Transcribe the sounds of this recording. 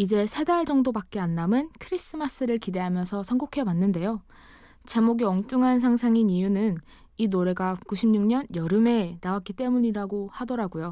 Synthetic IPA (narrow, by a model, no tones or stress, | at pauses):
id͡ʑe̞sʰe̞daɭd͡ʑʌŋdobak͈eanːamɯnkʰɯɾis͈ɯmas͈ɯɾɯɭkide̞ɦamjʌnsʰʌsʰʌŋɡokʰe̞wanːɯnde̞jo | t͡ɕamoɡiʌŋt͈ɯŋɦans̬ʰaŋsʰaŋinijunɯn | inoɾe̞ɡakuɕʰimɲuŋɲʌnjʌɾɯme̞nawak͈it͈e̞muɲiɾaɡohadʌɾaɡujo